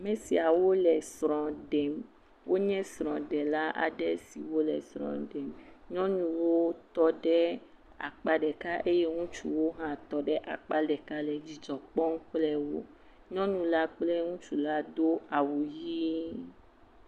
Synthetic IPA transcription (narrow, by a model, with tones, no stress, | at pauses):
a˨mɛ̃˨si˨a˨wo˦lɛ˨sɾ̃ɔ̃˨ɖɛ˨m | wʔo˦ɲɛ̃˦sɾ̃ɔ̃˨ɖɛ˨la˦ʔa̰˨ɖɛ˦si˨wo˦lɛ̰˨sɾ̃ɔ̰̃˨ɖɛ˨mɲɔ̃˦nũ˨wo˦t̪ɔ˦ɖɛ˦ | a̰˨k͡pa˦ɖɛ˨ka˦ʔe˦je˦ŋũ˦t͡ʃu˦wo˦ɦã˦t̪ɔ˦ɖɛ˦ʔa̰˨k͡pa˦ɖɛ˨ka˦lɛ˨d͡ʒi˨d͡ʒɔ˨k͡pɔ̃˦ŋ˦k͡plɛ˦wo˦ | ɲɔ̃˦nũ˨la˦k͡plɛ˦ŋũ˦t͡ʃu˦la˦d̪o˦a˨wu˨ji˦